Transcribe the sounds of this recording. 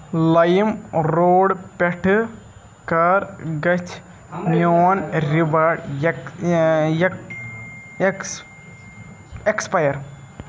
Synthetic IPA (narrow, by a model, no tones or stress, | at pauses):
lɐjimɾoːɽpeʈʰɨ | kaɾɡɐt͡ʃʰ | noːnɾibaːɽ | j | ekspɐjɐɾ